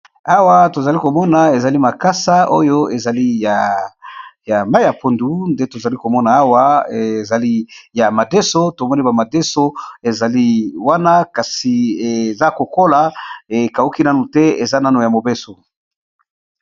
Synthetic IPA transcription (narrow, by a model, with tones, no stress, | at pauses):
a˦wa˦to˨za˨li˦ko˨mɔ˦na˨e˨za˨li˦ma˨ka˦sa˦o̰˦jo˦e˨za˨li˦ja˨ | ja˨ma˦i˦a˨po˨ndu˨nde˦to˨za˨li˦ko˨mɔ˦na˨a˦wa˦e˨za˨li˦ja˨ma˨de˦so˦to˨mɔ˦ni˦ba˨ma˨de˦so˦e˨za˨li˦wa˦na˦ka˨si˨e˨za˦ko˨ko˦la˨e˨ka˨u˦ki˦na˦nu˨tɛ˦ḛ˨za˦na˦nu˨ja˨mo˨be˦so˨